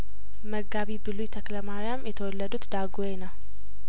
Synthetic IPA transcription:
məɡːaβibɨlujt̪ʰəkləmaɾjamjɛt̪ʰəwɔlːəd̪ut̪d̪aɡojenəw

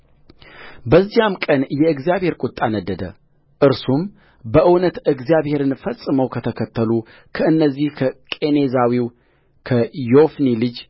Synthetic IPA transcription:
bəzːihamkʼənjɛɨɡzijaβhe̞ɾkʼʊt̪ʼːanəd̪ːəd̪ə̰ | ʔɨɾsum | bəʔɨwnət̪ɨɡzijaβhe̞ɾɨnfəsʼːɨməwkʰət̪ʰəkʰət̪ʰːəlu | kʰəɨnːəzːihkʰəkʼe̞ne̞zawiw | kʰəjo̞fnilɨd͡ʒ

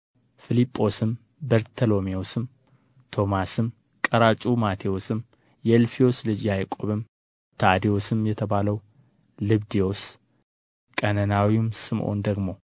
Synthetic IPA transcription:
fɨlipʼːo̞sɨm | bəɾt̪ʰəlo̞miosɨm | t̪ʰo̞masɨm | kʼəɾat͡ʃʼumat̪ʰijo̞sɨm | jɛlfio̞slɨd͡ʒjajkʼoβɨm | t̪ʰad̪ijo̞sɨmjɛt̪ʰəβaləw | lɨβd̪ijo̞s | kʼənənawimsɨmʔo̞̰nd̪əɡmo̞

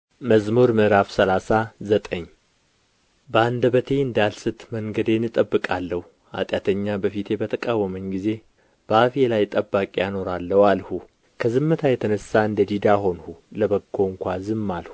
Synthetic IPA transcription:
məzmuɾmɨʔɾafsəlasazət̪ʼəɲː | bəand̪əβət̪ʰe̞ɨnd̪alsɨt̪məŋɡəd̪enɨt̪ʼəbːɨkʼalːəhu | a̰t̪ʼjat̪ʰəɲːabəfit̪ʰe̞bət̪ʰəkʼawːəməɲɡize̞ | b̥əafelajt̪ʼəbːakʼjano̞ɾalːəwalhu | kʰəzɨmːɨt̪ʰajɛt̪ʰənəsːaɨnd̪əd̪id̪aɦo̞nhuləβəkʰːoŋkʷazɨmːalhu

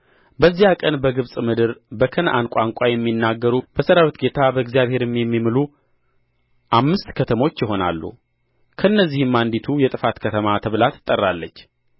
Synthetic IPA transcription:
bəzːijakʼənbəɡɨβsʼmɨd̪ɨɾbəkʰənʔa̰nkʷʼaŋkʷʼajɛmːinːaɡːəɾub̥əsəɾawit̪ɡe̞t̪ʰabəɨɡzijaβhe̞ɾɛmːjɛmːimɨlu | ʔamːɨst̪kʰət̪ʰəmo̞t͡ʃːjɪɦo̞na̰lːṵ | kʰəɨnːəzːihɨmːand̪it̪ʰujɛt̪ʼɨfat̪kʰət̪ʰəmat̪ʰəβlat̪ʰːɨ̥t̪ʼːərːalːət͡ʃː

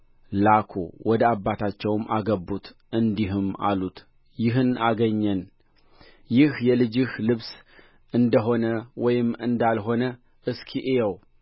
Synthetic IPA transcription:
lakʰo̰wʔɔd̪əabːat̪ʰat͡ʃːɛwmʔa̰ɡəbːut̪ʔɨnd̪iɦɨma̰lut̪ | jɪɦɨnaɡəɲːɛn | jɪhjɛlɨd͡ʒɪhlɨβs | ʔɨnd̪əɦo̞nəwɔjɪmːɨnd̪alɦo̞nə | ʔɨskʰiʔejɛw

